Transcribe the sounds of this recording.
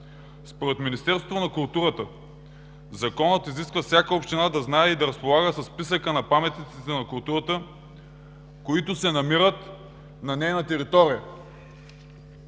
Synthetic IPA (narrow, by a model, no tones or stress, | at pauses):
spoɾɛt̪minist̪ɛɾst̪vonɐkʊlˠt̪uɾət̪ə | zɐkɔnət̪iziskvəfsʲjakəopʃt̪inad̪ɐznaɛid̪ɐɾɐspolˠaɡəsɐsːpisəkənɐpamɛt̪nit̪sit̪ɛnɐkʊlˠt̪uɾət̪ə | koit̪ʊsɛnɐmiɾət̪ | nɐnɛjnɐt̪ɛɾit̪ɔɾijə